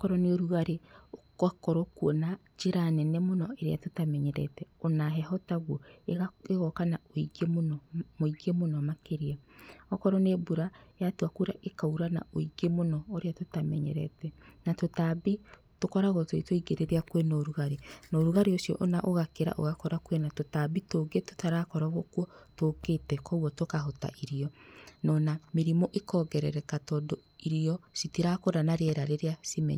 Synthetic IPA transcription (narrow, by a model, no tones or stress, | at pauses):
kɔɾɔneoɾuɣaɾeo | akɔɾokuɔna | d͡ʒeɾanɛnɛmonɔeɾeatotamɛɲɛɾɛ̰tɛonaɦɛhɔtaɣwoeeɣɔkanaoiɡemonɔmoiɡemonɔmakeɾiaɔkɔɾɔnebuɾajatoakuɾaʔekauɾana̰oiɡemonɔoɾeatotamɛɲɛ̰ɾɛ̰tɛnatotabi | tokɔɾaɣɔtwetoiɡeɾeɾeakwenɔɾuɣaɾenɔːɾuɣaɾeosjɔ̰ʔonaʔoɣakeɾa̰ʔo̰ɣakɔɾakwenatotabitoːɡeto̥taɾakɔɾaɣɔkwɔtoketɛkɔwɔtokaɦota̰ʔiɾiɔnɔnameɾimɔʔekɔːɡɛɾɛɾɛkatɔdɔ | iɾiɔsitiɾakoɾanaɾeɛɾaɾeɾeasimɛ̰ɲ